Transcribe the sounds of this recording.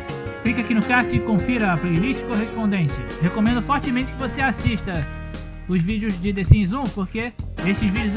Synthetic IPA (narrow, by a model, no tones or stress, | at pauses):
klikakinʊkaɾt͡ʃ̪ʊɪkõfiɾɐapɾelit͡ʃɪ̥koɦeʃpõnd̪ẽnt͡ʃɪ̰ | hekomẽnd̪ʊfɔɾt͡ʃɪmẽt͡ʃɪ̥kɪvoseasiʃt̪ɐ | ʊzvid͡ʒjʊzd͡ʒɪd̪ezĩzũpoɾkeeʃt͡ʃɪzvid͡ʒʊz